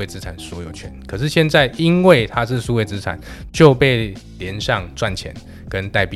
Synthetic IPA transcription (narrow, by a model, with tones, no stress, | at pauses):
we˥˩ɪt͡sɹ̩˦˥ʈ͡ʂʰa˨˩nswɔ˧˥jo˨˩ʊt͡ɕʰɥɛ̰˧˦nkʰɤ˨˩ʂɻ̩˥˧ɕjɛ˥˧nt͡sa˥˨ɪi˦nwe˥˩ɪt̪ʰa˦ʂɻ̩˥˨su˥we˥˩ɪt͡sɹ̩˦ʈ͡ʂʰa̰˨˩˦nt͡ɕjo˥˨˧ʊpe˥˩ɪ | ljɛ˧˦nʂɑ˥˨ŋt͡swa˥˨˩nt͡ɕʰjɛ̰˧˦n | kə˦nt̪a˥˧ɪpi˨